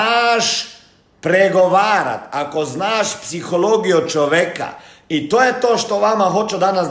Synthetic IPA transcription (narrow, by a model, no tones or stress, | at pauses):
aːʃ | pɾeɡoʋaːɾa̰t̪akoznaːʃpsixoloːɡijot͡ʃoʋjeka̰ | it̪oːjet̪oːʃt̪oʋamaxo̞t͡ʃud̪anas